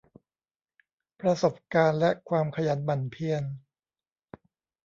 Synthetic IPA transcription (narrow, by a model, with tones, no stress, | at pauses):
pɾa˧so˨˩p̚kaː˧nlɛ˦˥ʔkʰwaː˧mkʰa˧jaː˨˦nba˨˩npʰi˧ən